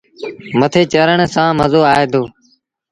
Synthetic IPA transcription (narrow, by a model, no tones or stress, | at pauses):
mət̪ʰeːt͡ʃəɾəɳsãːməzoːaːɦeːd̪oː